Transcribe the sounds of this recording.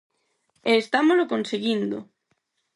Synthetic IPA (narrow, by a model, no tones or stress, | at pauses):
eːst̪amozlokonseɣind̪o̰